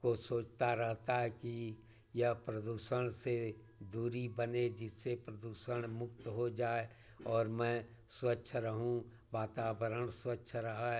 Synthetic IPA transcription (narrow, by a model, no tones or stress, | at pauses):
kosoːt͡ʃt̪aɾəɦt̪aɦɛki | jɐɦpɾəd̪uːʃəɽ̃se | d̪uːɾibəned͡ʒɪsːepɾəd̪uːʃəɽ̃mʊkt̪ɦod͡ʒaːe | ɔːɾmɛ̃ː | swətːʃʰɾəɦũ | ʋaːt̪aːbəɾəɽswətːʃʰɾɐɦa